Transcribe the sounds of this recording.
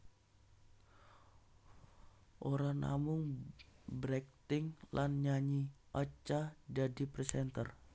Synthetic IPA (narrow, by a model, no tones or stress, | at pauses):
ʔoɾaŋna̰mʊŋ | bɾɛk̚t̪ɪŋlʔanɲaɲiʔat͡ʃadadipɾɛsɛnt̪ər